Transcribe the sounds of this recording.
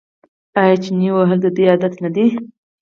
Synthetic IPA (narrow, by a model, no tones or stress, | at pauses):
ajat͡ʃɪniwəɦəld̪əd̪əjɑd̪at̪nad̪i